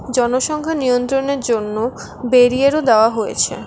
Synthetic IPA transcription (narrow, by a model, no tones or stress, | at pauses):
d͡ʑɔnoʃɔŋkʰanijont̪ɾoneɾd͡ʑonːo | beɾieɾod̪eoaɦojḛt͡ɕʰḛ